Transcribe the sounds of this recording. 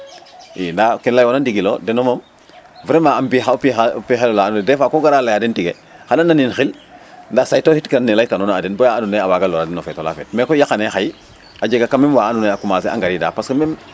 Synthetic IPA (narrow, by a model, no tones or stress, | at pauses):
indakenlajonandiɡilodenomom | vɾemaambixapipixelolaːnunedɛfakoɡaɾalajadentiɡe | xananːaninxilndasajtohitkɾanːelajtanonadenbojaːnuneawaɡaloɾadinofetola̰fḛtmekojakanexaji | aɟeɡakamemwaanuneakumaːseʔa̰ŋɡaɾida̰paskemem